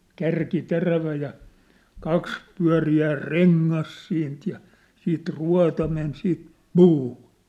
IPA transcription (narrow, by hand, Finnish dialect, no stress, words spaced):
kærki teræʋæ jɑ kɑks pyæ̝riæː reŋːɑs siːnt jɑ siːt ruɑ̝tɑ men siːt puːhu̥